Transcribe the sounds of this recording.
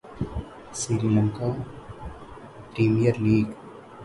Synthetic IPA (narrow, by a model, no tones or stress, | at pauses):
siɾiləŋka | pɾiːmijəɾliːɡ